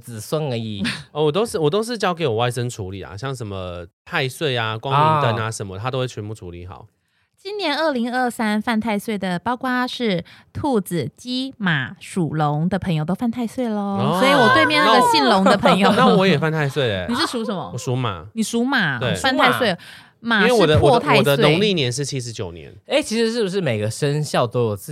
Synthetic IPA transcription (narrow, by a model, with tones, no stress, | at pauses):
t͡sɹ̩˨˩swə˥˧ŋə˧˥i˨˩wɔ˨˩t̪o˥ʊʂɻ̩˥˨wɔ˨˩t̪o˥ʊʂ̬ɻ̩˥˧t͡ɕjɑ˥ʊk̬e˧˦ɪwɔ˨˩wa˥˩ɪʂə˥˦ŋʈ͡ʂʰu˧˦lḭ˨˩la̰˩ɕjɑ˥˩ŋʂə˧˦nmə̰˧t̪ʰa˥˧ɪswe˥˩ɪa˨kwɑ˦i˧ə˧˩na˧ʂə˧˦nmə˦t̪ʰa˥t̪o˥xwe˥˩t͡ɕʰɛ˧˦pu˥˩ʈ͡ʂʰṵ˧˥li˨˩˦xɑ̰˨˩˦ʊ | t͡ɕi˥nnjɛ˧˥nə˥˩li˧˥ŋə˥˩sa˥nfa˥˧nt̪ʰa˥˧ɪswe˥˩ɪd̪ə˩pɑ˥ʊkwa˥ʂɻ̩˥˩t̪ʰu˥˩t͡s̩˨˩t͡ɕi˥ma˨˩ʂu˨˩lʊ˧˥ŋd̪ə˧pʰə˧˥ŋjo˧t̪o˥fa˥˧nt̪ʰa˥˧ɪswe˥˩ɪlə˨sɔ˧˥i˨wɔ˨˩t̪we˥˧mjɛ˥˧naa˥ɡə˧ɕi˥˩nlʊ˧˥ŋd̪ə˧pʰə˧˥ŋjo˥˧˩na˥wɔ˧˦jɛ˨˩fa˥˧nt̪ʰa˥ɪswe˥˩ɪə˩ni˨˩ʂɻ̩˥˩ʂu˧˥ʂə˧˥nmə̰˧˨˩ʂu˧˥ma̰˨˩˦ni˨˩ʂu˧˥ma˨˩t̪e˥˩˨fa˥˧nt̪ʰa˥˧ɪswe˥˩ɪ | ma˨˦e˥˩˨pʰwɔ˨˥˧tʰa˥ɪ˨d̪sə˦wenʊ˧˦ŋli˥˨njɛ˧˥nʂ̬ɻ̩˥˩t͡ɕʰi˥ʂ̬ɻ̩˧˥t͡ɕjo˨˩ʊnjɛ̰˧˦ne˥˩t͡ɕʰi˧˥ʂɻ̩˧˥ʂ̬ɻ̩˥˩bu˩ʂ̬ɻ̩˥˩me˨˩ɪɡə˩ʂə˦nɕjɑ˥˨ʊt̪o˥ʊjo˨˩ʊt͡s̩˥˨